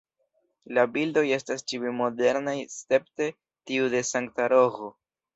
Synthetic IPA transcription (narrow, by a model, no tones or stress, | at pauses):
labildo̞je̞stast͡ʃiwemo̞de̞ɾnajste̞p̚te̞ | tiude̞saŋktaɾo̞ɣo